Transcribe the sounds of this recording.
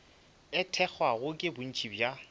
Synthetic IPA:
ɪtʰɛk͡xʰwaɣʊkʼɪbʊn̩t͡ʃʼibja

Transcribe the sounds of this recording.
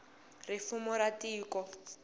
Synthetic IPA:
rɪfumʊɾatiːkɔ

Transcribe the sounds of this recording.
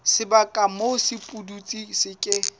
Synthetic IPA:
sɪbakʼamosɪpʼudut͡sʼisɪkʼɪ

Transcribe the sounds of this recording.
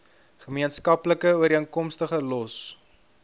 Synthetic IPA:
χəmiənskɐpləkəuəɾiənkɔmstəχəlɔs

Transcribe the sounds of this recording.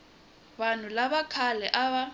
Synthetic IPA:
ban̤ʊlaβakʰalɛʔaβa

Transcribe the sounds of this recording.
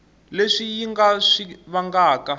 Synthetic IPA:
leʂijiŋɡaʂiβaŋɡaːka

